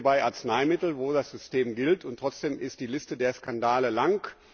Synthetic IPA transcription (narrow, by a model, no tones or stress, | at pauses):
baɪʔaɐt͡snaɪmɪtl̩voːdasz̥ʏsteːmɡɪltʊntːʁ̥ɔt͡sd̥eːmɪst̚d̥iːlɪstədeːɐskandaːləlaŋk